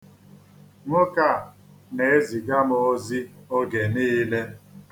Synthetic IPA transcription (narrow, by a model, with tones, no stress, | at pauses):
ŋʊ˦ka˦˨ | ne˨e˦zi˨ɡa˦mʊo˦zi˦o˦ɡe˨niː˦le˦